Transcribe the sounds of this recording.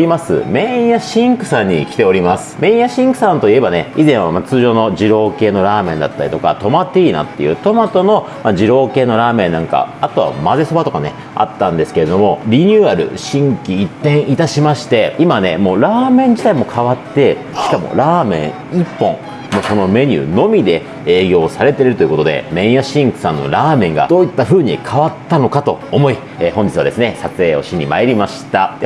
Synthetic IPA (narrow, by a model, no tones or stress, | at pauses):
ɾʲimasɨ̰mẽ̞ɰ̃jaɕĩŋkɯ̟̥sãɲ̟ːḭkʲi̥t̪e̞o̞ɾʲimasɨ̥mẽ̞ɰ̃jaɕĩŋkɯ̟sãnt̪o̞ie̞bane̞izẽ̞ɰ̃amat͡sɨːʑo̞ːno̞d͡ʑiɾo̞ːke̞ːno̞ɾaːmẽ̞nd̪a̰t̪ːaɾʲit̪o̞ka̰t̪omat̪ːeiːnã̰t̪ːe̞̰jɯ̟̰t̪o̞mat̪o̞no̞ | mad͡ʑiɾo̞ːke̞ːno̞ɾaːmẽ̞nːãŋka̰at̪o̞βa̰maze̞so̞bat̪o̞kane̞ | a̰t̪ːãnd̪e̞sɨ̥ke̞ɾe̞d̪o̞mo̞ɾʲiɲ̟ʲɨːaɾɯ̟̰ɕĩŋkʲiːt̪ːẽ̞ɰ̃ʔit̪aɕimaɕi̥t̪e̞imane̞mo̞ːɾaːmẽɲ̟d͡ʑi̥t̪aimo̞kʰaβat̪ːe̞ | ɕi̥kamo̞̰ɾaːmẽ̞̰ɰ̃ | ipːõ̞ŋ | moso̞no̞me̞ɲ̟ʲɨ̰ːno̞mʲid̪e̞ | eːɡʲo̞ːsaɾe̞t̪e̞ɾeɾɯ̟t̪o̞jɯ̟ko̞t̪o̞d̪e̞̰mẽ̞ɰ̃jaɕĩŋkɯ̟̥sãnːo̞̰ɾaːmẽ̞ŋɡa̰d̪o̞ːit̪ːaɸɯ̟ːɲ̟ikʰaβat̪ːano̞kat̪o̞̰ːmo̞i | eːɦõɲd͡ʑi̥t͡sɨβa̰d̪e̞sɨne̞sat͡sɨe̞ːo̞̰ɕiɲ̟imaeɾʲimaɕi̥t̪a